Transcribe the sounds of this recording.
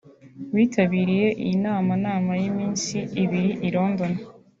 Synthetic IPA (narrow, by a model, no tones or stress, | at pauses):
wiːtʰaβiːɾije̞ʔḭjinaːmanaːmajimiːnsiːβiɾiʔiɾo̞ːndo̞na